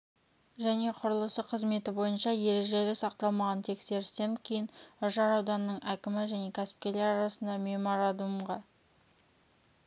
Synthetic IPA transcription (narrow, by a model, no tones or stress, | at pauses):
ʒæne̞qʰʊɾəlˠəsəqʰəzme̞t̪ɪbo̞jənʃɑje̞ɾe̞ʒe̞lɪsɑqt̪ɑlˠmɑʁɑnt̪ʰe̞kse̞ɾɪst̪eŋkʲʰejɪnʊʒɑɾɑwd̪ɑnəːəɴækʲɪmɪʒæne̞kʲʰæsɪ̥p̚kʲe̞le̞ɾɑɾɑsənd̪ɑmʲe̞mo̞ɾad̪umʁɑ